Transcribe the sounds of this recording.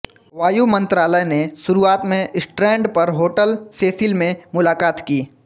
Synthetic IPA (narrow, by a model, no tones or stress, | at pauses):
ʋaːjumɐ̃nt̪ɾaːləjneʃʊɾuaːt̪mẽʔɪsʈɾɛ̃ːɳɖpɐɾɦoːʈəlseːsɪlmẽmʊlaːkaːt̪kiː